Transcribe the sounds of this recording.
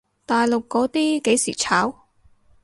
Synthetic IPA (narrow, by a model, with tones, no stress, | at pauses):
t̪aː˨jlo˨kːɔː˨˥t̪iː˥ke˨˥jsiː˨˩t͡sʰaː˨˥w